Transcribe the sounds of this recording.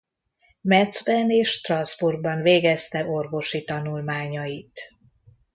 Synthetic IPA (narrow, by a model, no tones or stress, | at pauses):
mɛd̪zbɛneːʃt̪rɒnzburɡ̚bɒnveːɡɛst̪ɛʔo̞rvo̞ʃit̪ɒnulmaːɲɒjit̪